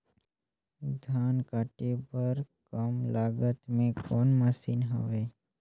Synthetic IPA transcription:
d̪ʱaːnkaʈipəɾ | kəmlaɡət̪mẽkoːnməsinɦə̰ʋe

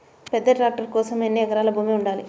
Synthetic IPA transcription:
pɛd̪ːɐʈɾaːk̚ʈɐɾkɔːsɐmenːiɐɡɐɾaːlɐbʱuːmiuɳɖaːlḭ

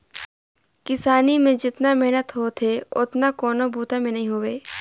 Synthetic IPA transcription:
kɪsaːnimẽd͡ʒɪt̪namɛɦnət̪ɦot̪ʰeʊt̪nakɔːnobʱuːt̪amẽnɐɦĩɦoːʋeː

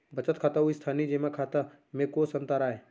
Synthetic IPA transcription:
bət͡ʃət̪kʰaːt̪aɦuist̪ʰaːnid͡ʒeːmãkʰaːt̪a | mẽkosənt̪aːɾaːɦe

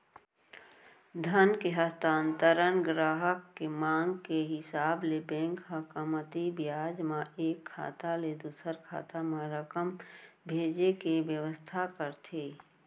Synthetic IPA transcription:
d̪ʱənkeɦəst̪ãːnt̪əɾənɡɾaːɦəkːemãːŋɡkeɦɪsaːblebɛ̃ːŋkɦəkəmət̪ibjaːd͡ʒmãeːkʰːa̰ːt̪aled̪usəɾkʰa̰ːt̪amãɾəkəmbʱeːd͡ʒekiʋjəwəst̪ʰakəɾt̪ʰeː

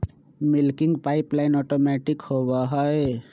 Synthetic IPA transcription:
milkiŋɡpaiplainɔʈomɛʈikhobɔɦɔj

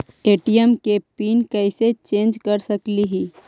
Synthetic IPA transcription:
eːʈijəmkepiːnkəɪset͡ʃẽːnd͡ʒkəɾsəkliɦiː

